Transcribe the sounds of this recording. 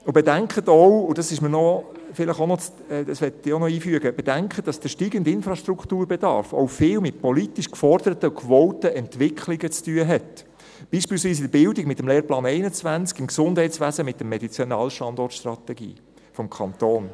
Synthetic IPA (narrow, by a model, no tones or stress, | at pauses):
ʊbedæŋkχətɔwʊd̥ɑsɪʃmənɔ | fɪləχonɔ | d̥ɑsʋɛtːɪonɔiːfyəɡəb̥edæŋkχət̚d̥ɑsd̥əʃtiːɡəndɪnfɾɑʃtɾukʰtuːɾbɛdɑ̰ɾfɔ̰ʊfɪːwmɪtpɔlitiʃkfɔrd̥̪əɾətəʊkʋɔltəʔɛntʋɪkχlɪɡət͡styəɦɛt | b̥iːʃpiːlsʋiːs̬ɪdəɾbɪldɪɡmɪtːəmleːɾplɑːnɛɪnət͡sʋænt͡skɪmksʊnd̥hɛɪtsʋæsəmɪt̪̚ːəmːɛd̥it͡sjɔnɑːlʃtɑnd̪ɔrtʃt̪ɾɑt̪ɛɡḭː | fɔmkʰɑnt̪oːn